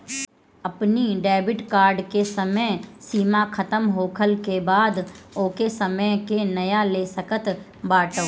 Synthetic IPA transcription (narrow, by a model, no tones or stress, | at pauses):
ɐpniɖɛːbɪʈkaːɾɖkesəməjsiːmakʰɐt̪əmɦoːkʰəlkebaːd̪oːkesəməjkenɐjalesəkət̪ | baːʈəː